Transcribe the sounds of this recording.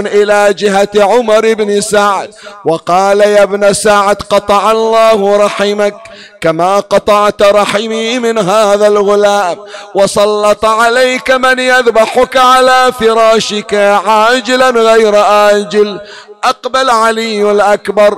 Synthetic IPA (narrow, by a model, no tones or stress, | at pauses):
nʔɪlaːd͡ʒɪɦat̪ʕʊmɑɾˤɪbnɪsaʕd̪̚wɑqɑːlajabnasaʕd̪qɑt̪ˤɑʕɑlˤːɑːhɾˤɑħɪmak̚ | kamaːqɑt̪ˤɑʕt̪ɾˤɑħɪmimɪnɦaːðalɣʊlaːmwɑsˤɑlːɑt̪ˤʕalajkamɪnjaðbaħʊkaʕalaːfɪɾˤɑːʃɪkaʕaːd͡ʒɪlanɣajɾʔaːd͡ʒɪl | ʔɑqbalʕalɪjːalʔakbɑɾˤ